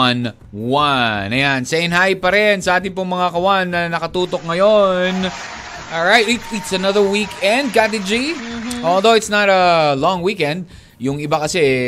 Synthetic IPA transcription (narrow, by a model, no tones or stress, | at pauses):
n | wanʔɐjansɐʔɪnɦajpɐɾɛnsɐʔaːt̪ɪnpʊŋmɐŋakɐwanːɐnɐkɐt̪uːt̪ok̚ŋɐjon | ʔɔlɹajt̪ɪtɪt̪sɐnɐðə˞wikɛ̃nd̪̚kat̪ɪd͡ʒiʔolˠðowɪt̪snɐɾɐlɔ̃ŋwikɛ̃nd̪̚ | jʊŋɪbakɐsɛ